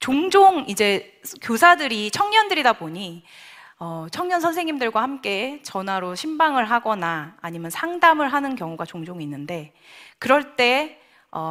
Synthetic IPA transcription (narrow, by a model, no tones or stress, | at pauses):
t͡ɕoŋd͡ʑoŋid͡ʑe̞ | kjosʰadɯɾit͡ɕʰʌŋɲʌndɯɾidaboɲi | ʌt͡ɕʰʌŋɲʌnsʰʌnsʰe̞ŋimdɯɭɡwahamk͈e̞t͡ɕʌnwaɾoɕʰimbaŋɯɭɦaɡʌnaːɲimjʌnsʰaŋdamɯɭɦanɯnkjʌŋuɡat͡ɕoŋd͡ʑoŋinːɯnde̞ | kɯɾʌɭt͈e̞ | ʌ̰